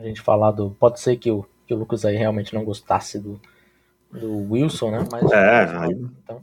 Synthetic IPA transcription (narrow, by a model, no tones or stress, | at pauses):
ɐʒẽnt͡ʃɪ̥fa̰lad̪ʊpɔd͡ʒɪseɾkɪʊ | kɪʊlukɐzaiɦeawmẽnt͡ʃɪnɐ̃w̃ɡost̪asɪd̪ʊ | d̪ʊwiwsõnɛmɐzɛaẽt̪ɐ̃w̃